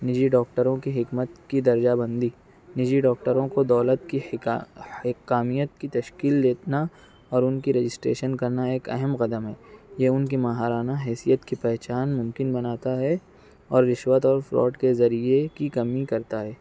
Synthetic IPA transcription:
nɪd͡ʒiɖɔːk̚ʈəɾõkiɦɪkmət̪kid̪ɐɾd͡ʒabɐ̃nd̪i | nɪd͡ʒiɖɔːk̚ʈəɾõkod̪ɔːlət̪ki | hɪkːaːmijət̪kit̪ɐʃkiːld̪eːt̪na | ɔːɾʊnkiɾed͡ʒɪsʈɾḛːʃənkɐɾnaeːkɐɦɛmqɐd̪əmɦɛːjeʊnk̬imaːɦaːɾaːnaɦɛːsijət̪kipɛɦt͡ʃaːnmʊ̃mkɪnbɐnaːt̪aɦɛ | ɔːɾːɪʃwət̪ɔːɾfɾɔ̰ːɖkezɐɾiekikɐmikɐɾt̪aɦɛː

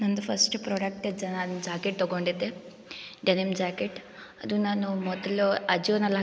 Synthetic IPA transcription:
nɐnd̪upʰɐsʈpɾoːɖɐkʈɐd͡ʒɐnand͡ʒaːkeʈ̚t̪ɔɡoɳɖid̪ːe | ɖɐnimd͡ʒaːkeʈ | ɐd̪unaːnumɔd̪ɐluɐd͡ʒionɐlːa

